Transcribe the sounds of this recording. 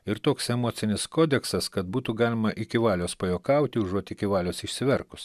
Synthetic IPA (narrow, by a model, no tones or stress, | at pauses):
ɪɾt̪oːksɛmoːt̪sʲɪnʲɪskoːd̪ʲɛksɐskɐt̪buːt̪uɡɑːlʲɪmɐʔɪkʲɪʋɑːlʲoːspɐjoːkɐʊt̪ʲɪʊʒuɔt̪ʲɪkʲɪʋɑːlʲoːsɪʃʲsʲɪʋʲɛɾkʊs